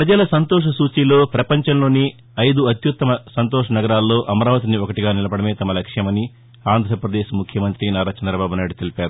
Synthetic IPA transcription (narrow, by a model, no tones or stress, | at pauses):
pɾɐd͡ʒɐlɐsɐnt̪ɔːʂ̬ɐsuːt͡ʃiːlo̞ːpɾɐpɐɲt͡ʃɐmlo̞ːni | ɐjd̪uɐt̪jut̪ːɐmɐsɐnt̪ɔːʂɐnɐɡɐɾaːlːo̞ːʔɐmɐɾaːʋɐt̪̬iniɔkɐʈiɡaːnilɐbɐɽɐme̞ːt̪ɐmɐlɐkʂjɐmɐni | aːnd̪ʱɾɐpɾɐd̪eːʃmukʰjɐmɐnt̪ɾinaːɾaːt͡ʃɐnd̪ɾɐbaːbunaːjiɽut̪elipaːɾu